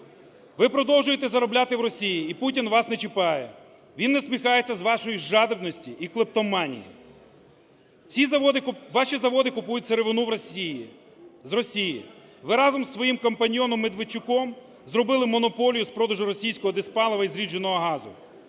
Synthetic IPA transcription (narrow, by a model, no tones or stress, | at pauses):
ʋɪpɾɔd̪ɔlwˠʒʊjet̪ɛzɐɾɔblʲat̪ɪwɾɔsʲijiːputʲinʋɑsnet͡ʃɪpɑjɛ̰ | ʋʲinːɛsʲmʲixɑjet͡sʲːɐzʋɑʃɔjiʒɑd̪ebnɔsʲtʲiʔiklˠɪp̚t̪ɔmɑnʲḭjḭ | sʲizd̪ʋɑʃizɐʋɔd̪ɪkʊpujʊtʲseɾeʋɪnuʋ | zrɔsʲijḭ | ʋɪɾɑzɔmsʋɔjimkɐmpɐnʲjɔnɔmːed̪ʋɪt͡ʃʊkɔm | zɾɔbɪlˠɪmɔnɔpɔlʲijʊspɾɔd̪ɐʒʊɾɔsʲijsʲkɔɦɔd̪ɪspɑlˠɐʋɐizɾʲid͡ʒenɔɦɔɦɑzʊ̰